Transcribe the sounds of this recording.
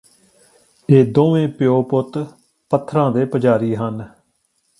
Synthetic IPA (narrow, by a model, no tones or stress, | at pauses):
eːd̪oːʋẽːpɪjoːpʊt̪ | pət̪ʰːɾãːd̪eːpəd͡ʒaːɾiːɦən